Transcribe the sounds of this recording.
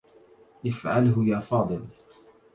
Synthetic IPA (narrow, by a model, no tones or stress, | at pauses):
ʔɪfʕalɦʊjaːfɑːd̪ˤɨl